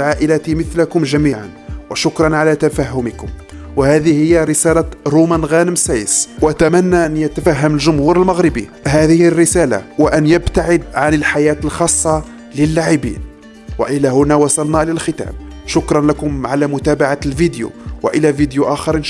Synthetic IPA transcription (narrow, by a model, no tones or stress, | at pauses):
ʕaʔəlæt̪iməθlakʊmʒæmiːʕa̰nwəʃʊkɾˤɑnʕalæt̪æfæɦːʊməkʊm | wəhæd̪ihəjːaɾəsælaɾumænɣænəmsæjəswæt̪æmænːaʔænjət̪æfæɦːəməlʒʊmhuɾəlməɣɾəbḭhæðəhərːəsæla̰wəʔænjəbt̪aʕəd̪̚ʕanəlħajæːt̪lxɑsˤːɑ | ləlːaʕɪbḭːn | wə̰ʔəlæhʊnæwɑsˤɑlnælælxət̪æ̰ːmʃʊkɾˤɑnlakʊmʕalæmʊt̪æbaʕalvid̪jṵwə̰ʔəlævid̪juʔæxɑɾn